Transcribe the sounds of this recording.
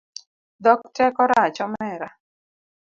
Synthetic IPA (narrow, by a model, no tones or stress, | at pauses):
d̪ɔktɛkɔɾat͡ʃɔmɛɾa